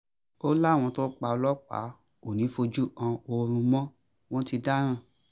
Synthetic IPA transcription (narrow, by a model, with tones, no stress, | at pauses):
o˦la˦˨w̃ɔ̃˧to˦k͡pa˧ɔ˧lɔ˦k͡pa̰˨˦ | o˨nĩ˨˦fo˧d͡ʒu˦ã˧o˧ɾ̃ũ˧mɔ̃˦ | w̃ɔ̃˦ti˧da˦ɾ̃ã˦˨